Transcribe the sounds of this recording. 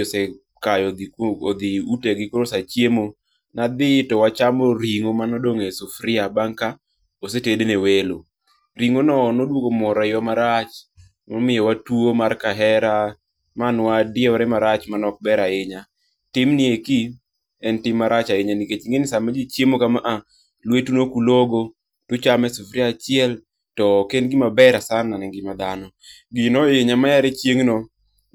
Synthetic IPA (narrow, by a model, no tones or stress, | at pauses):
sɛ | kajɔd̪iod̪iuteɡɪkoɾosat͡ʃjemo | nad̪ɪtɔwat͡ʃamoɾiŋomanɔdoŋesufɾɪabaŋka | osetedenewelo | ɾiŋonɔːnodwoɡomɔɾɔɪjɔmaɾat͡ʃ | mɔmɪjɔwatwomarkaɦɛɾa | manwadjɛɾɛmaɾat͡ʃmanɔk̚bɛɾaɪɲa | tɪmnieki | ɛntɪmːaɾat͡ʃaɪɲaniket͡ʃŋɡenɪsamad͡ʒit͡ʃjemokamaʔa | lwetunokuloɡo | tʊt͡ʃamɛsufɾiat͡ʃɪɛl | tɔkenɡɪmabɛɾasanːanɛŋɡɪmad̪anɔ | ɡɪnɔeɲamajaɾet͡ʃjeŋnɔ